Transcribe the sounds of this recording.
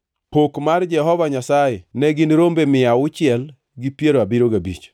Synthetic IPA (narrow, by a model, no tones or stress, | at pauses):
pokmard͡ʒɛɦɔvaɲasajɛnɛɡɪnɾombemɪaʊt͡ʃɪɛl | ɡɪpjeɾoabɪɾoɡabḭt͡ʃ